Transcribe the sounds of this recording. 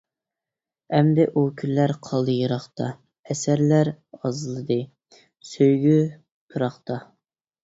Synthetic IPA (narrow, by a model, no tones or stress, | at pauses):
ɛmd̪ɛʔukʲʰylːæɾqʰɑlˠɨjɨɾɑχt̪ɑ | ɛsæɾlæɾ | ɑzlˠɨd̪ɨ | søjɡʲy | pʰɨɾɑχt̪ɑ